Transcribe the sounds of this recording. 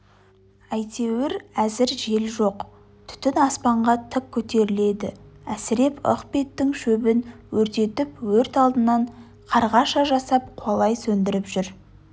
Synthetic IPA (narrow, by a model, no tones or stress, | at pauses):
æjt̪ʰe̞wɪɾæzɪɾʒe̞lʒo̞q | t̪ʰʏ̥t̪ɪnɑspɑɴʁɑt̪ʰɪk̚kʲʰːɵt̪e̞ɾɪle̞d̪ɪ̰æsɪɾe̞po̰qpe̞t̪ːɪŋʃɵbɪnwɵɾt̪e̞t̪ɪpwɵɾt̪ɑlˠd̪ənːɑɴ | qʰɑɾʁɑʃɑʒɑsɑp̚qʰwɑlˠɑjsɵnd̪ɪɾɪpʒʏɾ